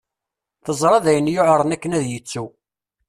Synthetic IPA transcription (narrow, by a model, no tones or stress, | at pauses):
θəzˤɾˤɑðæjənjʊʕɾˤənækːənæðjət͡sːu